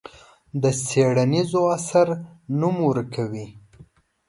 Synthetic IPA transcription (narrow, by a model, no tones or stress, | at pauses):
d̪əseɽanizoasaɾnumwəɾkʰawi